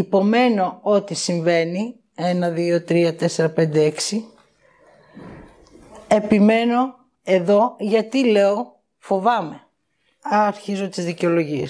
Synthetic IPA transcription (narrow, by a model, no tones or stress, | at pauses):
ipo̞me̞no̞o̞t̪isiɱve̞ni | e̞nɐðio̞t̪ɾiɐt̪e̞se̞ɾɐpe̞nd̪eeksi | e̞pime̞no̞ | e̞ðo̞ʝɐt̪ile̞o̞ | fo̞vɐme̞ | ɐɐɾçizot̪izðiceo̞lo̞ʝiḛs